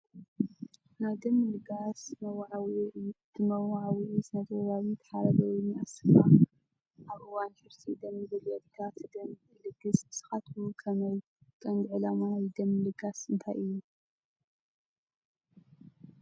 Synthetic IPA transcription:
najd̪ɐmːlɨɡasmɐwʕwit̪ɨmɐwʕawisɨnɐzwβawit̪ʰɐ̥ħaɾɐβɐwuniʔasɨfa | ʔaβʔɨwanħɨɾsʰid̪ɐmːɨzɨljɛt̪k̪ʰat̪ʰɨd̪ɐm | lɨɡɨsbɨ̥sɨ̥xat̪ʰukʰɐmɐj | kʼɐnd̪ʕɨlamajd̪ɐmːlɨɡasʔɨnt̪ʰajʔɨjːu

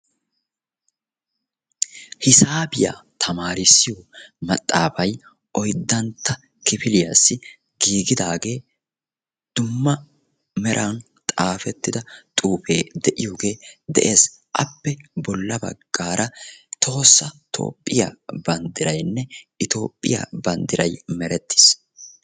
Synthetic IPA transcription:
hɪsaːbɪja̰ːt̪ʰɐmaːɾɪsːɪjomɐt̪ʼːaːfɐj | ʔɔjd̪ːɐnt̪ʰːɐ | kɪfɪlɪjasːɪ | ɡ̥iːɡɪd̪aːɡe̞ː | d̪̥ʊmːɐ | mɛɾʔɐn | t̪ʼaːfɛt̪ːɪd̪ɐt̪ʼuːfeːd̪ɛʔɪjoːɡe̞ːd̪ɛ̰ʔe̞ːs | ʔɐ̰pːɛbɔlːɐbɐ̰ɡ̥ːaːɾʔɐt̪ʰo̞ːsːɐt̪ʰo̰ːpʼːɪja̰bɐnd̪ɪɾɐjnːɛɪt̪o̞̰ːpʼːɪ̰ja̰bɐnd̪ɪɾɐjmɛɾɛt̪ːɪ̥s

